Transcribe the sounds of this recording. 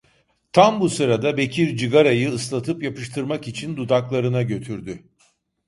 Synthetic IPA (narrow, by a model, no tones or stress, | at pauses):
t̪ʰambusɯɾad̪abe̞cʰiɾd͡ʒɯɡaɾajɯːslˠat̪ʰɯpjapɯʃt̪ʰɯɾmakit͡ʃʰind̪ud̪aklˠaɾɯnaɟø̞t̪ʰyɾd̪y